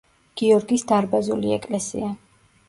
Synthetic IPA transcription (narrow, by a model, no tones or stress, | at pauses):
ɡ̥iɔɾɡisd̪aɾbazuliɛkʼlɛsḭa